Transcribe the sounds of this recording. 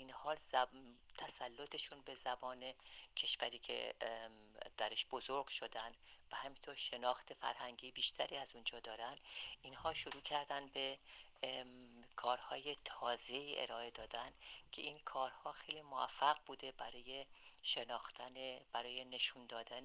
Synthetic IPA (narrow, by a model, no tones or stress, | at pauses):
inhɒːlzt̪ʰæsælːot̪ʰe̞ʃunbe̞zæbɒːne̞cʲʰe̞ʃvæɾiːcʰḛ | d̪̥æɾeʃb̥o̞zoɾɡ̥ʃo̞d̪ænd̪væhæmint̪ʰo̞ɾʃe̞nɒːxt̪ʰe̞fæ̰ɾhæŋɟiːbiːʃt̪ʰæɾiːæzund͡ʒɒːd̪ɒːɾænd̪inhɒːʃoɾuːcʰæɾd̪ænd̪be̞ | kʰɒːɾhɒːje̞t̪ʰɒːze̞iːʔḛɾɒːe̞d̪ɒːd̪ænd̪̥cʰe̞̰ʔinkʰɒːɾhɒːxe̞jlimoæ̰fːæɣbuːd̪e̞bæɾɒːjeʃe̞nɒːxt̪æneb̥æɾɒːje̞ne̞ʃund̪ɒːd̪æn